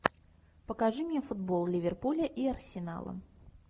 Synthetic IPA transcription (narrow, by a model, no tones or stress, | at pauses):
pəkaʐɨmnʲefʊd̪bolˠlʲɪvʲɪrpulʲəʔiɐrsʲɪna̰lˠə̰